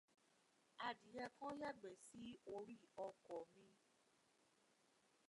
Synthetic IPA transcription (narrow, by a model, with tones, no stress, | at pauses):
a˨di˨jɛ˧kɔ̃˦ja˦ɡ͡bɛ˨si˦o˧ɾi˦ɔ˧kɔ˨mĩ˧